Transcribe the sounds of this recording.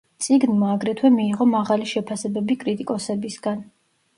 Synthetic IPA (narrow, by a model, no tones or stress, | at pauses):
t̪sʼiɡnmaːɡɾɛt̪ʰwɛmiːʁɔmaʁaliʃɛpʰasɛbɛbikʼɾit̪ʼikʼɔsɛbisɡ̥an